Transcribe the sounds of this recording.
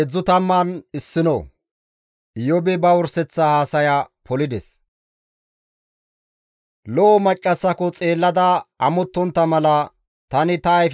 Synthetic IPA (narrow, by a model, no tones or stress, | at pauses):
ɛd͡zːʊt̪ɐmːɐnɪsːɪnɔ | ɪjɔbɛbɐwɔɾsɛt͡sːɐhaːsɐjapɔlɪd̪ɛs | lɔʔːmɐt͡ʃʼːɐsːɐkɔt͡sʼe̞ːlːɐd̪ɐʔɐmɔt̪ːɔnt̪ːɐmɐlɐ | t̪ɐnɪt̪ɐːjf